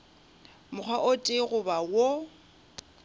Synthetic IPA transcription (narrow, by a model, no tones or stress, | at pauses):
mʊk͡xʰwaʔʊtʼɪɣʊbawo